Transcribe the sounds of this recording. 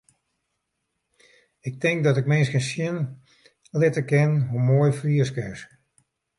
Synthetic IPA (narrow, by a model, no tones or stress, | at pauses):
ɪk̚tɪŋk̚dɔtɪkmɪnskənsjɪn | lɪtəkɪnɦumoəjfriəskɪs